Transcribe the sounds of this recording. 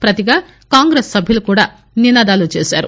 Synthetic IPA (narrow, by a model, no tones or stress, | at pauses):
pɾɐt̪iɡaː | kaːŋɡɾeːsːɐbʱjilukuːɽaː | ninaːd̪aːlut͡ʃeːsa̰ːɾu